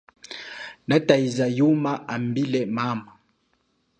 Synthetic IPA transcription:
nataizajumaambilɛmama

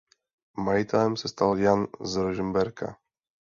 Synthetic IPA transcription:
majit̪ɛlɛmsɛst̪aljanzɾuʒmbɛɾka̰

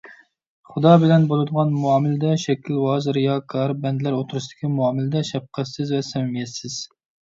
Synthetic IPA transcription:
χʊd̪ɑbɪlɛnbolˠɨd̪əʁɑnmuɑːmɪlɪd̪ɛʃɛkʲilwɑːzɨɾɪjɑkʰɑɾbɛnd̪ɪlæɾot̪ʰuɾuʃd̪̥ɪ̥kʲʰimuɑːmɪlɪd̪ɛʃɛp̚qʰæt̪sɪzvɛsɛmmjɛt̪sɪz̥

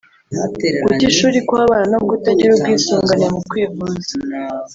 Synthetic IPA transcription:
kuciʃuːɾikwaːβaːɾanobɡutaɟiɾub̚ɡiːsuːŋɡaɲɾamukwiːvuːza

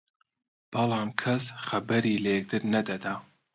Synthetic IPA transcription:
b̥ɐlˠɑːmkʰɐsxɐbɐɾiːlɐjɛk̚t̪ʰɨɾnɐd̪ɐd̪aː

